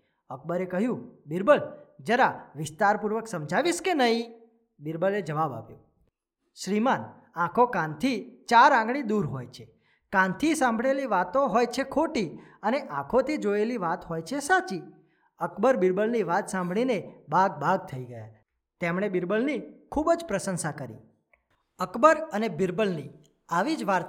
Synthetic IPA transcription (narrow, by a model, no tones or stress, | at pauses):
ək̚bəɾekəɦjũbɪɾbəld͡ʒəɾaʋɪst̪aɾpuɾʋəksəmd͡ʒaʋiʃkenəɦĩ | bɪɾbəled͡ʒəʋaba̰pjo | ʃɾiman | ãkʰokãnt̪ʰit͡ʃaɾãɡɽ̃id̪uɾɦojt͡ʃʰe | kãnt̪ʰisãmbʱɽeliʋat̪õɦojt͡ʃʰekʰoʈiəneʔãkʰot̪ʰid͡ʒoeliʋat̪ɦojt͡ʃʰesat͡ʃi | əkbəɾbɪɾbəlniʋat̪sãmbʱɭinebaɡ̚bʱaɡ̚t̪ʰəiɡəja | t̪emɳ̃ebɪɾbəlnikʰubd͡ʒpɾəsənsakəɾḭ | əkbəɾənebɪɾbəlni | aʋid͡ʒʋaɾ